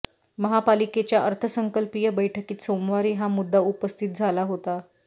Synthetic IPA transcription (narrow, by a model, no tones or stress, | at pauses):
məɦapaliket͡ɕjaʔəɾt̪ʰəsəŋkəlpijəbəjʈʰəkiːt̪somʋaɾiːɦamud̪ːaupəst̪ʰit̪̚d͡zʱalaɦot̪a